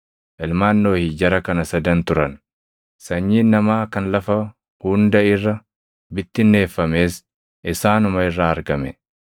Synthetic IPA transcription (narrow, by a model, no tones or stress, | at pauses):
ʔɪlmaːnːo̞ːhɪd͡ʒɐɾɐkɐnɐsɐd̪ɐnt̪ʊɾɐn | sɐɲːiːnnɐmaːkɐnlɐfɐ | hʊnd̪ɐɪrːɐ | bɪt̪ːɪnːe̞ːfːɐme̞ːs | ʔɪsaːnʊmɐɪrːaːɐɾɡɐmɛ